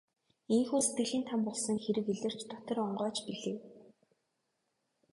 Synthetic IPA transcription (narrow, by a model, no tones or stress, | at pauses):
eŋxuːset̪ɡɘ̆ɮiːnt̪ʰampɔɮsɞ̆ŋxeɾɘ̆keɮɘ̆r̥t͡ɕt̪ɔt̪ɞ̆rɔɴɢɔːt͡ɕpiɮeː